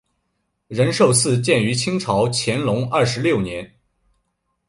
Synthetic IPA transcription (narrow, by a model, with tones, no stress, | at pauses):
ɻə˧˥nʂo˥˧ʊsɹ̩˥˧t͡ɕjɛ˥˩ny˧˥t͡ɕʰi˥ŋʈ͡ʂʰɑ˧˥ʊt͡ɕʰjɛ˧˥nlʊ˧˥ŋɐ˥˩ʂɻ̩˧˥ljo˥˩ʊnjɛ˧˥n